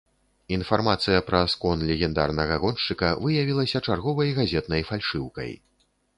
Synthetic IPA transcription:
infarmat̪sɨjɐpɾɐskɔnlʲɛɣʲɛnd̪a̰rnɐɣɐɣɔnʂt͡ʂɨkɐvɨjavʲilˠɐsʲɐt͡ʂarɣɔvɐjɣazʲɛt̪̚nɐjfalʲʂɨwkɐ̰j

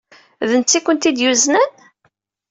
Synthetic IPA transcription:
ðənt͡sːikʷːənt̪id̪juznæn

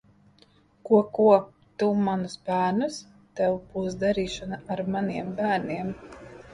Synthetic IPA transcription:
kuɔkuɔ | t̪umanusbæːɾnus | t̪ɛwbuːsd̪aɾiːʃanaʔaɾmaniɛmbæːɾniɛm

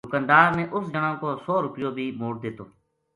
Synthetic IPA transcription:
ʊkənd̪aːɾmẽːʔʊsd͡ʒəɳãːkoːsoːɾʊpɪjoːbʱiːmoːɾ̚d̪eːt̪oː

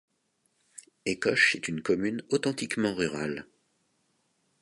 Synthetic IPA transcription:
ekɔʃɛt̪ynkɔmynot̪ɑ̃t̪ikmɑ̃ʁyʁal

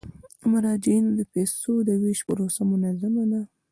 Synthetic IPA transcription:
mʊɾɑd͡ʒɪinod̪əpesod̪əweʃpəɾosamʊnazamad̪a

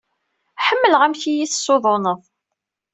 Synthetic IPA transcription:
ħəmːələʁæmçijiθə̥sːoðˤonəðˤ

